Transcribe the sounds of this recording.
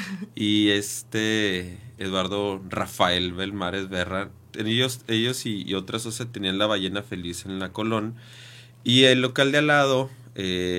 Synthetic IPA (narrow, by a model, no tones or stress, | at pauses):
ie̞st̪eː | ðwaɾðo̞rafae̞lβelmaɾezβerat̪eneʝose̞ʝo̞sio̞t̪ɾasosjat̪enianlaβaʝe̞nafe̞lise̞nlako̞lo̞n | ielːo̞kald̪ealað̞o̞ | e